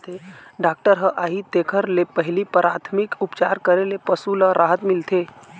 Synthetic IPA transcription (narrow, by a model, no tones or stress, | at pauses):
t̪ʰeɖaːk̚ʈəɾɦəʔaːɦit̪eːkʰəɾlepəɦlipɾaːt̪ʰmɪkʊpt͡ʃaːɾkəɾelepəsuləɾaːɦət̪mɪlt̪ʰeː